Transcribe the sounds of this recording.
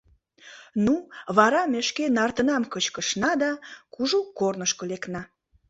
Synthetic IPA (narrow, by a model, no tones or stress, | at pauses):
nuβɑɾɑmeʃkenɑrt̪ənɑmkət͡ɕkəʃnɑd̪ɑkuʒukornəʃkoleknɑ